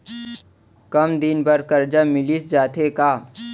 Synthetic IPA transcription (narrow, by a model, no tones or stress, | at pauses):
kɐmd̪ɪnbɐɾkɐɾd͡ʒamɪlisd͡ʒaːt̪ekaː